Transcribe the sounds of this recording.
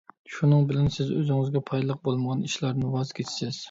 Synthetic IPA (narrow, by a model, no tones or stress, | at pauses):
ʃunɨŋbɪlɛnsɪzø̰zɪŋɪzɡʲɛpʰɑjlˠəq̚bolˠməʁɑniʃlˠɑɾnɪwɑzkʲʰet͡ʃʰɪ̥sɪz̥